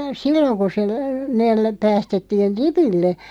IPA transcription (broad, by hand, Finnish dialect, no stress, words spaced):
silːoŋ ku se neːl pæːstetːiːn̞ ripilːe